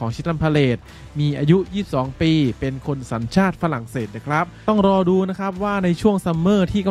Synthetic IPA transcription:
ɔː˩˦ŋt͡ɕʰi˦˥t̪̚ɾa˧mpʰa˧leː˨˩t̪̚ | miː˧ʔaː˧ju˦˥jiː˥˩p̚sɔː˩˦ŋpiː˧pe˧nkʰo˧nsa˩˦nt͡ɕʰaː˥˩t̪̚fa˧la˨˩ŋseː˨˩t̪̚na˨˩kʰɾa˦˥p̚t̪ɔ˥˩ŋɾɔː˧duː˧na˦˥kʰɾa˦˥p̚waː˥˩na˧jt͡ɕʰu˥˩əŋsa˧mːɤː˥˩t̪ʰiː˥˩ka˧

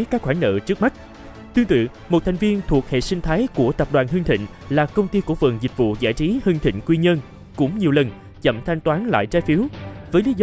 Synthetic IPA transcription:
kaː˦˥k̚xwaː˧˩nnə̰ː˧˨t͡ɕɨ˦˥ək̚ma˦˥t̚ | t̪wi˧ənt̪ɨ̰˧˨ | mo˨˩t̪ʰjŋ̟vi˧ənt̪ʰu˨˩ək̚hḛ˧˨sï˧ŋ̟t̪ʰaː˨˦jku˧˩ət̪ə˨˩p̚ɗwaː˨˩nɦɨ˧ŋt̪ʰḭ̈˧˨ŋ̟ | laː˨˩kə˧wŋ͡mt̪i˧ku˧˩fə̰˨˩nzi˨˩k̟̚vṵ˧˨zaː˧˩jt͡ɕi˨˦hɨ˧ŋt̪ʰḭ̈˧˨ŋ̟kwi˧ɲə˧n | kʊ̰˧˥ŋ͡mɲi˨˩əwlə˨˩n | t͡ɕə̰˧˨mt̪ʰa˧jŋ̟t̪waː˨˦nla̰ː˧˨jt͡ɕaː˨˦jfi˨˦wvəː˨˦jli˨˦z

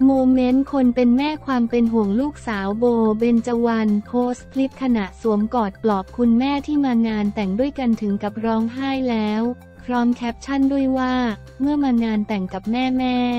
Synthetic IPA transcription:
moː˧me˦˥nkʰo˧npe˧nmɛː˥˩kʰwaː˧mpe˧nɦu˨˩əŋluː˥˩k̚saː˩˦wboː˧be˧nt͡ɕa˧wa˧npʰoː˦˥skʰli˦˥p̚kʰa˧na˨˩ʔsu˩˦əmkɔː˨˩t̪̚plɔː˨˩p̚kʰu˧nmɛː˥˩t̪ʰiː˥˩maː˧ŋaː˧nt̪ɛ˨˩ŋdu˥˩əjka˧nt̪ʰɯ˩˦ŋka˨˩p̚ɾɔː˦˥ŋɦaː˥˩jlɛː˦˥w | pʰɾɔː˦˥mkʰɛ˦˥p̚t͡ɕʰa˥˩ndu˥˩əjwaː˥˩ | mɯ˥˩əmaː˧ŋaː˧nt̪ɛ˨˩ŋka˨˩p̚mɛː˥˩mɛː˥˩

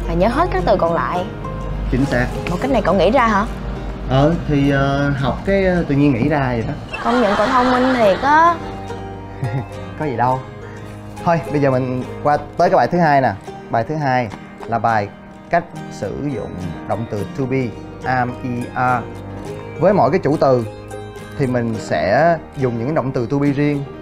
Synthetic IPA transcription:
vaː˨˩ɲəː˨˦ɦə˦˥t̚kaː˦˥k̚t̪ɨ˨˩kɔ˨˩nla̰ː˧˨j | t͡ɕï˨˦ŋ̟saː˦˥k̚mo˨˩t̚ka˦˥jk̚na˨˩kɔ̰˧˩ŋḭ˧˥zaː˧ɦaː˧˩˦ | ʔəː˨˩t̪ʰi˨˩ʔəː˨˩ɦa˨˩wk͡p̚kaː˨˦jt̪ɨ̰˧˨ɲi˧əŋḭ˧˥zaː˧zi˨˩ɗɔ˨˦kə˧˩wŋ͡mɲə̰˧˨nkɔ˧˩t̪ʰə˧wŋ͡mmï˧ŋ̟t̪ʰi˨˩kɔ˨˦ | kɔ˨˦zi˨˩ɗə˧w | hʰo˧jɓə˧zəː˨˩mï˨˩ŋ̟kwaː˧t̪əː˨˦jkaː˨˦ɓaː˨˩t̪ʰɨ˨˦ɦaː˧jnaː˨˩ɓaː˨˩jt̪ʰɨ˨˦ɦaː˧j | laː˨˩ɓaː˨˩j | ka˦˥jk̟̚sɨ̰˧˩zʊ̰˧˨ŋ͡mɗo̰˧˨wŋ͡mt̪ɨ˨˩t̪ʰu˧ɓi˧ | ʔaː˧mʔi˧ʔaː˧ | vəː˨˦jmɔ̰˧˨jkaː˨˦jt͡ɕṵ˧˩t̪ɨ˨˩ | t̪ʰi˨˩mï˨˩ŋ̟sɛ̰˧˥ | zʊ˨˩ŋ͡mɲɨ̰˧˥ŋkːa˨˦ɗə̰˧˨wŋ͡mt̪ɨ˨˩t̪ʰu˧ɓi˧zi˧əŋ

